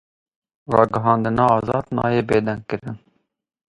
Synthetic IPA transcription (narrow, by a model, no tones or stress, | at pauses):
rɑːɡɨɦɑːnd̪ɨnɑːɑːzɑːd̪nɑ̰ːjeːbeːd̪ɛŋɡ̚kɨɾɨn